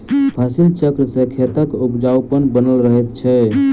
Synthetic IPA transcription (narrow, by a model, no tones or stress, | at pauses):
pʰəsilt͡ʃəkɾsẽkʰet̪əkupd͡ʒawpənbənəlɾəɦet̪t͡ʃʰɛ